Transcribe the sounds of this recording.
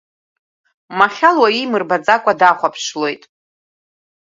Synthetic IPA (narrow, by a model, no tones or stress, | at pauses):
maχʲalwaimɨrbat͡sʼakʷʼadaχʷapʰʂlo̞jtʼ